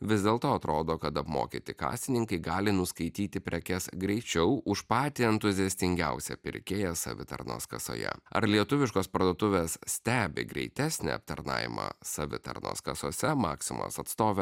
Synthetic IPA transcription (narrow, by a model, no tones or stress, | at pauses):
ʋʲɪzʲd̪ʲeːlˠt̪oːɐt̪ɾoːd̪oːkɐt̪ɐpmo̰ːkʲit̪ʲɪkɑ̰ːsʲt̪ʲɪnʲɪŋkɐɪɡɑːlʲɪnʊskɐɪt̪ʲiːt̪ʲɪpʲɾʲɛkʲɛsɡɾʲɛɪt͡ʃʲɛʊʔʊʃpɑːt̪ʲɪɛnt̪ʊzʲɪɛsʲt̪ʲɪŋʲɡʲɛʊsʲɛ̰pʲɪɾʲkʲeːjɛsɐ̰ʋʲɪt̪ɐ̰ɾno̰ːskɐso̰ːjɛ̰ɐ̰ɾlʲiɛt̪ʊʋʲɪʃkoːspɐɾd̪oːt̪ʊʋʲeːssʲt̪ʲæːbʲɪ̰ɡɾʲɛ̰ɪt̪ʲæːsʲnʲɛ̰ɐ̰p̚t̪ɐɾnɑ̰ːjʲɪ̰mɑ̰ːsɐʋʲɪ̰t̪ɐ̰ɾno̰ːskɐsoːsʲɛmɑːksʲɪmo̰ːsɐt̪st̪oːʋʲɛ